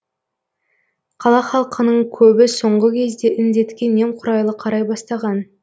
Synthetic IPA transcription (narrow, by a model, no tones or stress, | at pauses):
qʰɑlˠɑχɑlˠqənəɴkʲʰɵbɪso̞ɴʁəkʲʰe̞zd̪e̞ʔɪnd̪e̞t̪kʲe̞nːe̞mqʰʊɾɑjlˠəqʰɑɾɑjbɑst̪ɑʁɑn